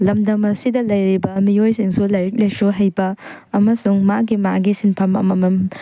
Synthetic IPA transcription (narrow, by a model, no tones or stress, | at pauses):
lɐmdɐmɐsidɐlɐjɾibɐmiojsiŋsulɐjɾik̚lejsuɦɐjbɐ | ɐmɐsuŋmaɡimaɡisinpʰɐmɐ̰mɐmɐm